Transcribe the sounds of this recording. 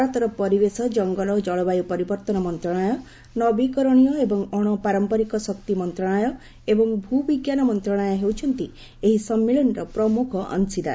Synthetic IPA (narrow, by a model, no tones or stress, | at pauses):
aɾɔt̪ɔɾɔpɔɾibesɔd͡ʒɔŋɡɔlɔd͡ʒɔɭɔbajupɔɾibɔɾt̪ɔnɔmɔnt̪ɾɔɽ̃ɔjɔ | nɔbikɔɾɔɽ̃ijɔebɔŋɔɽ̃ɔpaɾɔmpɔɾikɔsɔk̚t̪imɔnt̪ɾɔɽ̃ɔjɔ | ebɔŋbʱubiɡjanɔmɔnt̪ɾɔɽ̃ɔjɔɦewt͡ʃʰɔnt̪i | eɦisɔmːilɔnɾɔpɾɔmukʰɔʔɔ̰nsid̪a̰